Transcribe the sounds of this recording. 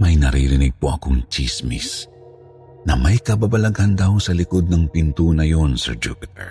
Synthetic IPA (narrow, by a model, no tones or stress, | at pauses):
mɐjnɐɾiːɾɪnɪɡ̚poʔɐkoŋt͡ʃismḭs | nɐmɐjkɐbabɐlɐɡɐnd̪ɐwsɐlɪko̞d̪̚nɐŋpɪnt̪unɐjo̞nsɛɹd͡ʒṵpɪt̪ɛ̰ɹ